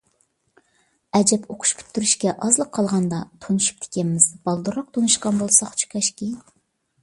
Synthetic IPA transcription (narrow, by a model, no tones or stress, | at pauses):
ɛd͡ʒɛpʰoqʰʊ̥ʃkʲʰy̥t̪ʰːyɾyʃkʲɛʔɑzlˠəqʰːɑlˠʁɑnd̪ɑt̪ʰonuʃu̥p̚t̪ʰe̥kʲɛnɪmɪzbɑlˠd̪uɾɑq̚t̪ʰonɨʃqɑnbolˠsɑχt͡ʃʰu̥kʲʰɛʃkʲi